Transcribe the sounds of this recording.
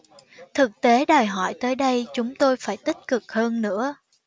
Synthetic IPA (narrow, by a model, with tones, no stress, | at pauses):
t̪ʰɨ˨˩k̚t̪e˨˦ɗəː˨˩jɦɔ˧˩jt̪əː˨˦jɗə˧jt͡ɕʊ˨˦ŋ͡mt̪o˧jfaː˧˩jt̪ï˦˥k̚kɨ˨˩k̚həː˧nnɨ̰˧˥ə